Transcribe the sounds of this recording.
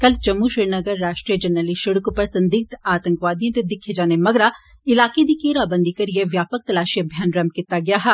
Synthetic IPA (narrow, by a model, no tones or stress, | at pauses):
kɐlt͡ʃɐmːuʃɾɪɾnəɡəɾːaːʃʈɾijəd͡ʒənəliʃɐɽkpɐɾsɐ̃nd̪ɪk̚t̪aːt̪ə̃ŋkʋaːd̪ijõt̪ed̪ɪkʰːed͡ʒaːnemɐɡɾa | ɪlaːked̪ikeːɾaːbə̃nd̪ikɐɾieʋjaːpək̚t̪ɐlaːʃiɐbʱjaːnɾɐmkit̪aɡɪjaːɦɛː